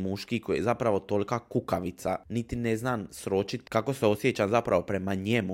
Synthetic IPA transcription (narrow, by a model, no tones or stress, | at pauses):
muʃkikojejezapɾaʋo̞t̪o̞lʲkakukaʋit̪sanit̪ine̞znaːmsɾo̞t͡ʃit̪kako̞seo̞sjet͡ɕamzapɾaʋo̞pɾemaɲemu